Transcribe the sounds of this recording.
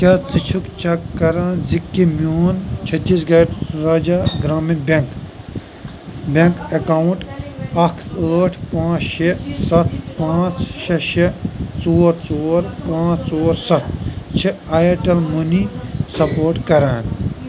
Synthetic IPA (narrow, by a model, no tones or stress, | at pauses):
kʲaːt͡sit͡ʃʰukt͡ʃʰɐkːɐɾaːnd͡zikːimjoːnt͡ʃʰɐt̪ːiːsɡɐʈɾaːd͡ʒaɡɾaːminbek | bẽŋkɐkawuɳʈɐkʰəːʈʰpãːt͡ʃʃesɐt̪̚ʰpãːt͡sʃeʃet͡soːɾt͡soːɾpãːt͡ʃt͡soːɾsɐt̪̚ʰt͡ʃʰeajɐʈɐlmunisɐpoːɾʈkɐɾaːn